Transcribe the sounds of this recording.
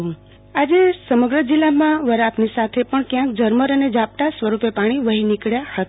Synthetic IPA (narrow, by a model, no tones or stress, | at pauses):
ũ | ad͡ʒesəməɡɾəd͡ʒilːamãʋəɾaːpnisat̪ʰepəɳkjãk̚d͡ʒəɾməɾəned͡ʒap̚ʈ̪asʋəɾupepaɽ̃iʋəɦinikɭjahət̪a